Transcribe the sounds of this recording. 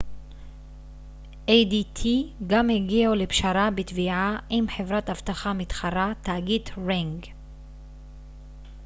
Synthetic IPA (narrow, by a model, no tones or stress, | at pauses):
ʔejd̪it̪ʰiɡamheɡialepʃaɾabet̪viʕaʔimħevɾat̪avt̪aχamit̪χaɾat̪aːɡit̪ʁiŋɡ